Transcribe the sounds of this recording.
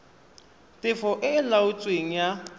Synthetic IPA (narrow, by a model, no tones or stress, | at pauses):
tʼɪfɔʔɪlaʊt͡sʼweŋ̩ja